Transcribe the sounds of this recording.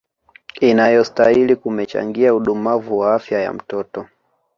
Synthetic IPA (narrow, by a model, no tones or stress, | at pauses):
inajɔstailikumɛt͡ʃa̰ŋɡiauɗumavuwaafjaja̰m̩tɔtɔ